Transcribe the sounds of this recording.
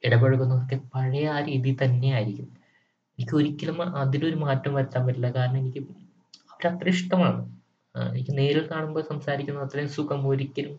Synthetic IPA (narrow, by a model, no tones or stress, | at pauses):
iɽɐbeɻukːunːɐɐkːepɐɻɐjaːɾiðit̪ɐnːe̞jaːjiɾikʲːunmː | enikʲːɨo̞ɾikʲːɐlɐmɐðino̞ɾumaːtːɐmʋɐɾɐt̪ːaːmːɐtːulːɐkaːɾɐɳɐme̞nikʲːɨ | ɐʋɐɾɐt̪rɨʂʈɐmaːɳɨ | e̞̰nikʲːɨne̞ːɾilkaːɳumbo̞ːsɐmsaːɾikʲːunːɐðɐt̪ːrɐjsukɐmoɾikʲːɐlum